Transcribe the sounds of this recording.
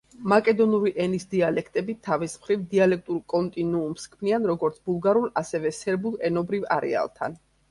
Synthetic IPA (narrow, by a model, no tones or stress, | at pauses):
makʼɛd̪ɔnuɾiʔɛnisd̪ialɛkʰt̪ʼɛbit̪ʰavismχɾivd̪ialɛk̚ʰt̪ʼuɾkʼɔnt̪ʼinuːmskʰmnianɾɔɡɔɾt̪sʰbulˠɡaɾulˠasɛvɛsɛɾbulˠɛnɔbɾiva̰ɾɛ̰a̰lˠt̪ʰa̰n